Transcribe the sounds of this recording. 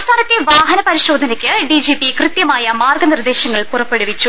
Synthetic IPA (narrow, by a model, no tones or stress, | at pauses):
st̪ʰaːnɐt̪ːeʋaːɦɐnɐpɐɾiɕo̞ːd̪ʱɐnɐkʲːɨɖid͡ʑipikrɨt̪jɐmaːjɐmaːrɡɐnird̪eːɕɐŋːɐɭpurɐpːe̞ɽuʋit͡ɕːu